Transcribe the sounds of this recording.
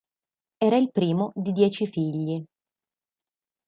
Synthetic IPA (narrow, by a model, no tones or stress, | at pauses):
ɛːɾailpɾiːmod̪id̪jɛːt͡ʃifiʎːi